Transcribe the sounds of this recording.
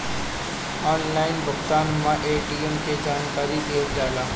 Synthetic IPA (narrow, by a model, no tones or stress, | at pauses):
aːnlaːɪnbʱʊkt̪aːnmãʔeːɖiːemked͡ʒaːnkaːɾib̪eʋd͡ʒaːlaː